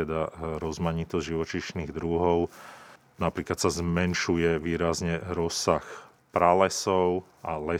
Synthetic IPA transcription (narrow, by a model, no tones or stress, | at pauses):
ɛd̪aɾɔzmaɲit̪ɔzɟʒiʋɔt͡ʃiʃniːɣd̪ɾuɦɔʊ | napɾiːklat̪sazmɛnʃujɛʋiːɾazɲɛɾɔsːax | pɾalɛsɔʊ | ʔalɛ